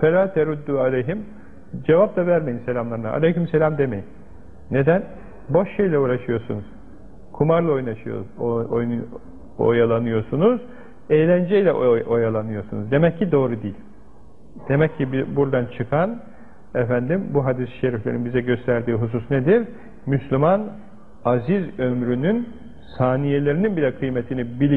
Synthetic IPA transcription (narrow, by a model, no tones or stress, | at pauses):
feɾaːt̪ʰɛɾud̪ːualʲejɦim | d͡ʒe̞vap̚t̪avæɾmejinse̞lʲamlˠaɾɯna̰ʔa̰lʲejhymselʲamd̪emejinː | e̞d̪æn | bo̞ʃʃejlʲɛuːɾaʃɯjo̞ɾsunuz̥ | kʰumaɾlˠao̞jnaʃɯjo̰ | o̰jalˠanɯjo̞sunuz | ejlʲænd͡ʒɛjlʲɛʔʔojalˠanɯjo̞ɾsunuzd̪e̞mɛcːid̪o̞ːɾud̪iːlʲ | d̪̥e̞mɛcʰːibbuɾd̪ant͡ʃʰɯkʰan | ɛfænd̪imbuɦad̪isʃeɾiflʲeɾinbizɛɟø̞st̪ʰæɾd̪iːɦus̬usned̪iɾ | myslʲyman | azizømɾynyn | saːnijelʲe̞ɾininbilʲɛkʰɯjmet̪ʰinibilʲi